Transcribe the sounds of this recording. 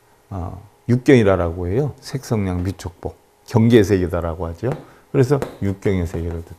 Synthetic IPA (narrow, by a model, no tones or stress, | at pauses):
ʌ̰ | juk̚k͈jʌŋiɾaɾaɡoɦe̞josʰe̞k̚s͈ʰʌŋɲaŋmit͡ɕʰok̚p͈o | kjʌŋɡe̞sʰe̞ɡedaɾaɡoɦad͡ʑio | kɯɾe̞s̬ʰʌjuk̚k͈jʌŋesʰe̞ɡeɾɯɭtɯ